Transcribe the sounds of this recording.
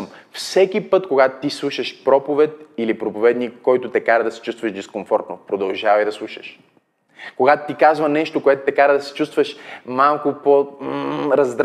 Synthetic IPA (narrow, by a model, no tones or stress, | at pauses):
mfsɛkʲipɤt̪koɡat̪t̪islˠuʃəʃpɾɔpovɛt̪̚ilipɾopovɛd̪nikːɔjt̪ʊt̪ɛkaɾɐd̪ɐsɛ̥t͡ʃust̪vɐʒd̪ɛskoɱfɔɾt̪nopɾod̪ɐlˠʒavɐjd̪ɐslˠuʃə̥̰ʃ | koɡat̪ʊt̪ikazvɐnɛʃt̪okoɛt̪ʊt̪ɛkaɾɐd̪ɐsɛ̥t͡ʃust̪vəʃmalˠkʊpo | ɾɐzd̪ɾ